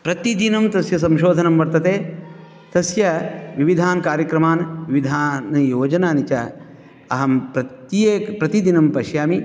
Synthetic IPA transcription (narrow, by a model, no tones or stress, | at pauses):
pɾɐt̪id̪inɐmt̪ɐsjɐs̬ɐmʃoːd̪ʱɐnɐmʋɐɾt̪ɐt̪eː | t̪ɐsjɐʋiʋid̪ʱaːnɐkaːɾjɐkɾɐmaːnʋiʋid̪ʱaːnɐjoːd͡ʒɐnaːnit͡ʃɐ | ɐɦɐmpɾɐt̪eːpɾɐt̪id̪inɐmpɐʃjaːmi